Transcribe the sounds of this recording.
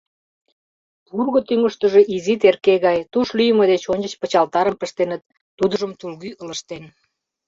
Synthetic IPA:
purɣot̪yŋəʃt̪ə̆ʒeʔizit̪erkeɣɑjt̪uʃlyjəməd̪et͡ɕonʲt͡ɕə̆t͡ɕpə̆t͡ɕɑlt̪ɑɾəmpə̆ʃt̪enə̆t̪ː | ud̪ə̆ʒəmt̪ulɣyələ̆ʃt̪en

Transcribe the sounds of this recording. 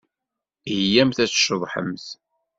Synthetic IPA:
jæmθæt͡sʃəðˤħə̰mθ

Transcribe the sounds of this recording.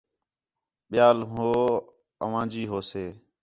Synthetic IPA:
ɓɪjaːlɦoː | əʋãːd͡ʒiːɦoːseː

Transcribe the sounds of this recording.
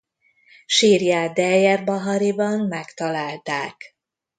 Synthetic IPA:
ʃiːrjaːd̪ɛjɛrbɒɦɒɾibɒmmɛkt̪ɒlaːlt̪aːk

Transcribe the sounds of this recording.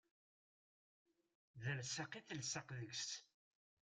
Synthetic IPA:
ðəlsəqiθəlsəqðəɡst

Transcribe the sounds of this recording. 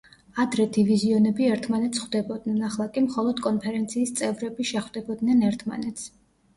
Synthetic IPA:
ad̪ɾɛt̪ʰiviziɔnɛbiɛɾt̪ʰmanɛt̪sʰχwd̪ɛbɔd̪̚nɛnaχlˠakʼimχɔlˠɔd̪kʼɔnpʰɛɾɛnt̪sʰiːst̪sʼɛvɾɛbiʃɛχwd̪ɛbɔd̪nɛnɛɾt̪ʰma̰nɛt̪s

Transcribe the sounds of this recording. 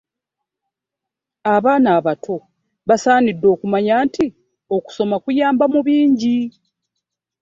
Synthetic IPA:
aβaːnaːβatʰo̞ | βasaːnidːo̞ːkumaɲaːnti | o̞ku̥so̞makujaːmbamuβiːɲɟi

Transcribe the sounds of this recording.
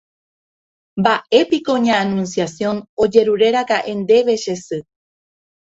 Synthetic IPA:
mbaʔe̞piko̞ɲãːnũnsjasjõ̞no̞d͡ʒe̞ɾuɾe̞ɾakaʔe̞nd̪e̞ʋe̞ʃe̞sɨ

